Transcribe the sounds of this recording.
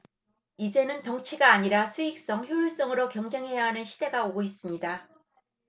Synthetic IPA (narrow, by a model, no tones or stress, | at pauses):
id͡ʑe̞nɯntʌŋt͡ɕʰiɡaːɲiɾasʰuik̚s͈ʌŋçjojuɭs͈ʌŋɯɾokjʌŋd͡ʑe̞ŋɦe̞jaɦanɯnɕʰide̞ɡaoɡois͈ɯmɲida